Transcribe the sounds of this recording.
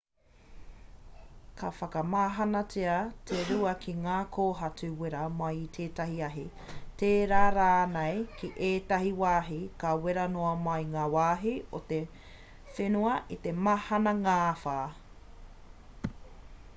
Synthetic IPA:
kʰɐfɐkɐmaːɦɐnɐtʰeɐtʰeɾuɐkʰiŋaːkʰoːɦɐtuweɾɐmaitʰeːtɐɦiɐɦi | teːɾaːɾaːnejkʰiʔeːtɐhiwaːɦikɐweɾɐnoɐmajŋaːwaːɦiot̪e | fenuɐʔit̪emahɐnɐŋaːfaː

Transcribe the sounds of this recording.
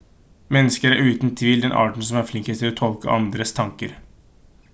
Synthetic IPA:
mɛnːəskəɾæɾʉːt̪n̩t̪ʰʋiːld̪ɛnʔɑ̰ːʈɳ̩s̬ɔmæɾflɪŋkət̪ʰɪlɔːt̪ʰɔlkə̰ʔɑnd̪ɾəst̪ʰɑŋkəɾ

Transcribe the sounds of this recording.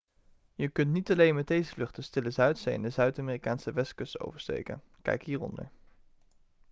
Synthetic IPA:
jəkɵntnitɑlejnmɛt̚dejzəflɵχtəstɪləzœɥtsḛɛ̰ndəzœɥtamiːrikaːnsəʋɛskəsto̰wvəɹstḛjkə̰n | kɛ̰jkɦiːrɔ̰ndə̰ɹ

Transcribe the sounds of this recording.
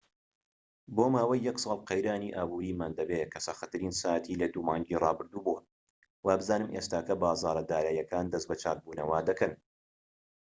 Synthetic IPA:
boːmaːwɐjːɐksˤɑːlˠqejɾaːniʔaːbuːɾiːmaːnd̪ɐbeːkʰɐsɐxɐt̪ʰɨɾiːnsaːt̪ʰiːlɐd̪uːmɑːŋd͡ʒiːrˤɑːbɨɾd̪uːbo | waːbɨzaːnɨmʔeːst̪aːkɐbaːzɑːɾɐd̪aːɾaːjɐkaːnd̪ɐsbɐt͡ʃaːt̪̚buːnɐwaːd̪ɐkɐn

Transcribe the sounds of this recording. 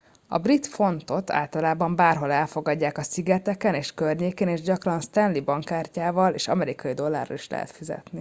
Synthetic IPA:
ɒ̰brit̪fo̞nt̪o̞t̪ʰa̰ːlt̪ɒlaːbɒmbaːrɦo̞lɛlfo̞ɡɒɟːaːkɒsiɡɛt̪ɛkɛneːʃkørɲeːkeːneːʒɟɒkrɒnst̪ɛnlibɒŋkaːrcaːvɒleːʃɒ̰mɛɾikɒjid̪o̞lːa̰ːrɒ̰liʃlɛ̰ɦɛ̰t̪fizɛ̰t̪ni

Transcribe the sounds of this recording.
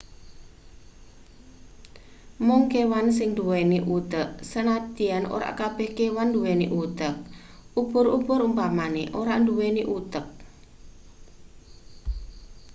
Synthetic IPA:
mʊŋkewans̬ɪŋd̪uweniʔut̪əʔsənat̪ianʔo̰ɾa̰ʔkab̥ɛ̤hkewand̪uweniʔut̪ək̚ | ʔub̥ʊɾub̥ʊɾumpamaneʔoɾaʔnd̪uweniʔut̪ək̚

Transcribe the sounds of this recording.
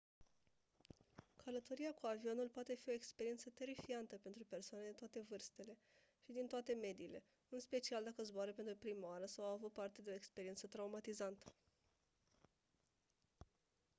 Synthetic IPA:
kʰələt̪o̞ɾiakuavio̞nulpoat̪e̞fio̞ekspe̞ɾie̞nt̪sət̪e̞ɾifiant̪əpe̞nt̪ɾupe̞rsoaned̪et̪oat̪e̞vɨrst̪e̞le̞ | ʃid̪int̪oat̪e̞me̞d̪iːle̞ | ɨnspe̞t͡ʃiald̪akəzboaɾəpent̪ɾupɾimaaɾəsawavut̪̚part̪ed̪eo̞ekspe̞ɾie̞nt̪sət̪ɾaumat̪izant̪ə̥

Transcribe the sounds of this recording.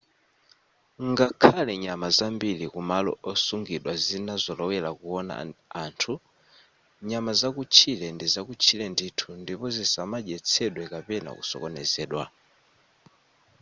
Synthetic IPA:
ŋɡakʰalɛɲamazambilikumalɔ̰ʔɔsuŋɡiɗwazinazɔlɔwɛlakuɔna̰aːntʰu | ɲamazakut͡ʃʰilɛndizakut͡ʃʰilɛnditʰundipɔzisamaʄɛt͡sʰɛɗwɛkapɛna̰kṵsɔ̰kɔnɛ̰zɛːɗwa̰

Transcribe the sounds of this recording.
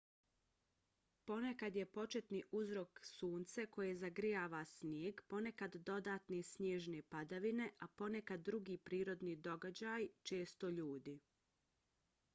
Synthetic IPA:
po̞nekad̪je̞po̞t͡ʃe̞t̪niʔuzɾoksuːnt̪seko̞jezaɡɾijaːʋasnjeːɡpo̞ne̞kad̪ːo̞d̪aːt̪nesnjeːʒnepad̪aʋine̞ʔapo̞ne̞kad̪ːɾuɡiːpɾiːɾo̞d̪nid̪o̞ɡad͡ʑajt͡ʃe̞ːst̪o̞ʎuːd̪i

